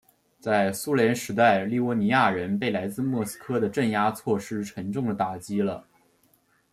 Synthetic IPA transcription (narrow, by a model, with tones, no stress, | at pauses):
t͡sa˥˩ɪsu˥ljɛ˧˥nʂɻ̩˧˥t̪̬a˥˧ɪli˥˩wɔ˥˩ni˧˥ja˥˩ɻə˧˥npe˥˩ɪla˧˥ɪt͡sɹ̩˥˧mwɔ˥˩sɹ̩̥˥kʰɤ˥d̪ə˨ʈ͡ʂə˥˩nja˥t͡sʰwɔ˥˩ʂɻ̩˥ʈ͡ʂʰə˧˥ŋʈ͡ʂʊ˥˩ŋd̪ə˩t̪a˨˩t͡ɕi˥lə˨